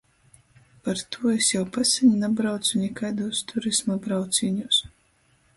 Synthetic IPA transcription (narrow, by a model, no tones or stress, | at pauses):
paɾt̪uɔesjawpasʲiɲʲinabɾawt̪sunʲɛkajd̪uɔst̪ʰuɾismabɾawt̪sʲiːɲus